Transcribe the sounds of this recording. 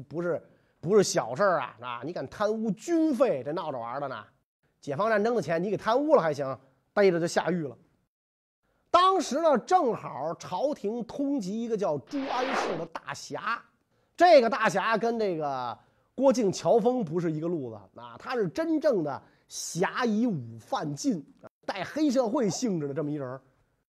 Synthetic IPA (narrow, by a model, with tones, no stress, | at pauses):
pu˧˥ʂɻ̩˥˩ | pu˧˥ʂɻ̩˥˩ɕjɑ˨˩ʊʂə˞˥˩ɐ̰˩na̰˧ni˧˥ka˨˩nt̪ʰa˥nu˥t͡ɕy˥nfe˥˩ɪʈ͡ʂe˥˧ɪnɑ˥˩ʊʈ͡ʂə˨˩a̰˞˧˥də˧na̰˧ | t͡ɕjɛ˨˩fɑ˥ŋʈ͡ʂa˥˩nʈ͡ʂɤ˥ŋd̪ə˨t͡ɕʰjɛ˧˥n˧˥ke˨˩ɪt̪ʰa˥nu˥lə˩xa˧˥ɪɕi˧˥ŋ | t̪a˥˧˥ɪ˥ʈ͡ʂə˧˩jo˥˧ʊɕja̰˥˧y˥˩lə̰˩ | t̪ɑ˥ŋʂɻ̩˧˥nə˧˨ʈ͡ʂɤ˥˩ŋxə˨˩˦ʈ͡ʂʰɑ˧˥ʊt̪ʰi˧˥ŋt̪ʰʊ˥ŋt͡ɕi˧˥i˧˥ɡə˧t͡ɕjɑ˥˩ʊʈ͡ʂu˥a˥nɕi˥˩d̪ə˩t̪a˥˩ɕja˧˥ | ʈ͡ʂɤ˥˩ɪɡə˩t̪a˥˩ɕ̬ja˧˥kə˥nʈ͡ʂɤ˥˩ɡə˩ | kwɔ˥t͡ɕi˥˩ŋt͡ɕʰjɑ˧˥ʊfɤ˥ŋpu˧˥ʂ̬ɻ̩˥˩i˧˥ɡə˧lu˥˩d̪ə̰˩a̰˧˩t̪ʰa˥ʂɻ̩˥˩ʈ͡ʂə˥nʈ͡ʂɤ˥˩ŋd̪ə̰˩ | ɕja˧˥i˧˥u˨˩fa˥˧nt͡ɕi˥˩˧n˧t̪a˥˩ɪxe˥ɪʂ̬ɤ˥˧xwe˥˧ɪɕi˥˧ŋʈ͡ʂɻ̩˥˩d̪ə˧ʈ͡ʂə˥˩məi˧˥ʈ͡ʂə˧˥